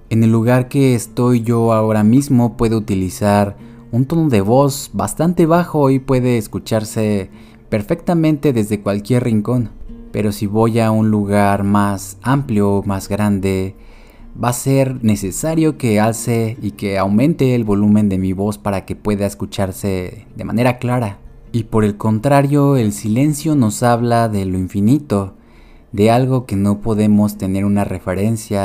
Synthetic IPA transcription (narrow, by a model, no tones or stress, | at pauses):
ene̞lːuɣaɾkeːst̪o̞jʝo̞aoɾamizmo̞pwe̞ðout̪ilisaɾ | unt̪o̞noðe̞βo̞sba̰st̪ant̪e̞βaxo̞ipwe̞ðeːskut͡ʃaɾse | pe̞ɾfe̞kt̪amẽnt̪eðe̞zðekwalkje̞rriŋko̞npḛɾo̞siβo̞jaunluɣaɾmasampljomazɣɾand̪e | baseɾne̞se̞saɾjo̞ke̞alseikeawmẽ̞nt̪eːlβo̞lumẽ̞nd̪e̞miβo̞spaɾake̞pwe̞ðaeskut͡ʃaɾse̞ðe̞̰ma̰ne̞ɾaklaɾa | ipo̞ɾe̞lko̞nt̪ɾaɾjo̞elsile̞nsjo̞no̞saβlaðe̞loiɱfinit̪o̞ | ðe̞alɣo̞ke̞no̞po̞ðe̞mo̞st̪e̞ne̞ɾunarefe̞ɾe̞nsja